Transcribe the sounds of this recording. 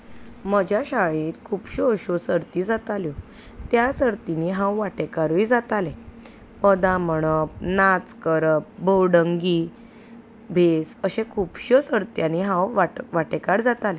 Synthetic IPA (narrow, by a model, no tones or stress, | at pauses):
məd͡ʑʱjaɕaɭĩt̪kʰuːbɕoəɕosəɾt̪id͡zat̪aljo | t̪jasəɾt̪iniɦãwʋaʈekaɾʋid͡zat̪alẽ | pəd̪aməɳ̃əp̚nat͡skəɾəp̚bowɽəŋɡi | bʱesəɕẽkʰuːbɕosəɾt̪janiɦãwʋaʋaʈekaɽd͡zat̪alẽ